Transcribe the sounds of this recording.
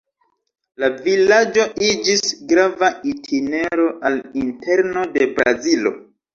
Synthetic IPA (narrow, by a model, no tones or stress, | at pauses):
lavilad͡ʒo̞ʔid͡ʒisɡɾavaitʰine̞ɾo̞ʔalinte̞ɾno̞de̞bɾa̰zilo̞̰